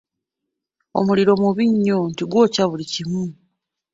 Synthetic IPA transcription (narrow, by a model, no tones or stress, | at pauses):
o̞̰muliɾo̞muβiɲːontiɡwo̞ːcaβulicimu